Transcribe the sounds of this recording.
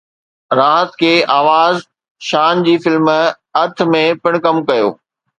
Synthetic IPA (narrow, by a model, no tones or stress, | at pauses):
ɾaːɦət̪kʰeːʔaːʋaːz | ʃaːnd͡ʑiːfɪlm | ɐt̪ʰmẽpɪɽ̃kɐmkɐjo̰ː